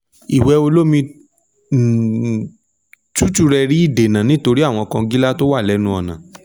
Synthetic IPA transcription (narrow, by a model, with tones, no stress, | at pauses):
i˨wɛ˧o˧lo˦mĩ˧˨ | t͡ʃu˦t͡ʃu˦ɾɛ˧ɾi˦i˦˨de˨nã˨nĩ˦to˧ɾi˦a˦˨w̃ɔ̃˧kã˧ɡi˦la˦to˦wa˦˨lɛ˨˦nũ˦ɔ˧nã˨